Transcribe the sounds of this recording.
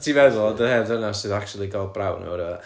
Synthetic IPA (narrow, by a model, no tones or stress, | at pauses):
tʰiːvɛðʊlˠɔdəhɛdənasɨðak̚t͡ʃulˠiɡalˠbrawno̰ɾə